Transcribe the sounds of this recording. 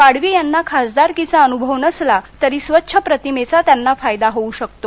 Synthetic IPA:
ʋaɽʋiːjanːakʰasd̪aɾkit͡saənubʱəʋnəslat̪əɾiːsʋətːɕʰəpɾət̪imet͡sat̪janːafajd̪aɦouɕək̚t̪o

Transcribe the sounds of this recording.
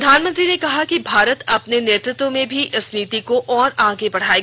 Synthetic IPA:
d̪ʱaːnmə̃nt̪ɾinekɐɦakibʱaːɾət̪ɐpneneːt̪ɾɪt̪wõmẽbʱiʔɐsniːt̪ikoʔɔːɾãːɡebɐɽ̤aːe

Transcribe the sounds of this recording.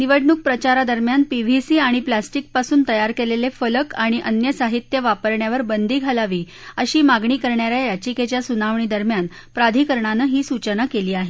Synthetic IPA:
niʋəɽɳuk̚pɾət͡ɕaɾad̪əɾmjanpiʋʱisiːaɽ̃iplasʈik̚pasuːnt̪əjaɾkelelefələkaɽ̃iʔənjəsaɦit̪jəʋapəɾɳjaʋəɾbənd̪ʱiːɡʱalaʋiː | əɕiːmaɡɳiːkəɾɳjaɾjajat͡ɕiket͡ɕjasunaʋɳiːd̪əɾmjan | pɾad̪ʱiːkəɾɳanəɦiːsut͡ɕənakeliːaɦe

